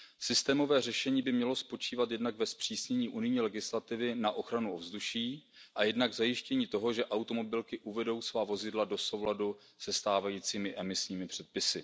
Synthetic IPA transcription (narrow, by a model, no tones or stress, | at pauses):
sɪst̪ɛːmo̞vɛːr̝ɛʃɛɲiːbɪmɲɛlo̞spo̞t͡ʃiːvat̪jɛdnaɡvɛspr̝̥iːsɲɛɲiːʔunɪjɲiːlɛɡɪslat̪ɪvɪnaʔo̞xɾanuo̞vzduʃiː | ʔajɛdnaɡvzajɪʃcɛɲiːt̪o̞ɦo̞ʒɛʔawt̪o̞mo̞bɪlkɪʔuvɛdo̞wsvaːvo̞zɪdlado̞so̞wladu | sɛst̪aːvajiːt͡siːmɪʔɛmɪsɲiːmɪpr̥ɛt̪̚pɪsɪ